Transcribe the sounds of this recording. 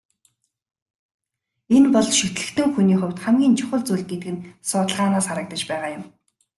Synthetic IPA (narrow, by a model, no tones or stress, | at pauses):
enpɔɮʃɵt̪ɮɘ̆xt̪ɘ̆ŋxuniːχʊwʲt̪χæmɡʲiːnt͡ɕʰʊχə̆ɮt͡suːɮɡet̪ɘ̆ɡɘ̆nsʊːt̪ə̆ɮʁaːnaːsχaɾə̆k̚t̪ə̆t͡ɕpæːʁaːjʊm